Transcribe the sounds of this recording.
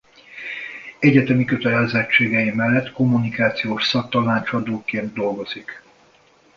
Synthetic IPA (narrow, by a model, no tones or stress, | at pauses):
ɛɟɛt̪ɛmikøt̪ɛlɛzɛt͡ʃːeːɡɛjimɛlːɛt̪ːko̞mːunikaːt̪sijoːʃsɒk̚t̪ɒnaːt͡ʃɒd̪oːkeːnd̪̚d̪o̞lɡo̞z̥ik